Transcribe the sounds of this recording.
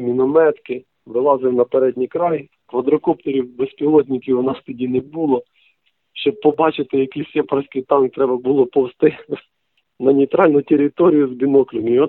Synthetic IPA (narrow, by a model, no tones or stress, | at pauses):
mʲinɔmɛt̪kɪ | ʋɪlˠɑzɪwnɐpeɾɛdʲnʲijkɾɑj | kʋɐd̪ɾɔkɔp̚t̪ɔɾʲiwbespʲilˠɔtʲnʲikʲiʊnɑst̪ɔdʲinebulˠɔ | ʃt͡ʃɔb̚pɔbɑt͡ʃɪt̪ɪjɐkiisʲɛpɾɑsʲkɪjt̪ɑnkt̪ɾɛbɐbulˠɔpɔwst̪ɪ | nɐnʲijt̪ɾɑlʲnʊtʲeɾʲɪt̪ɔɾʲijʊzbʲinɔklʲʊmʲiɔ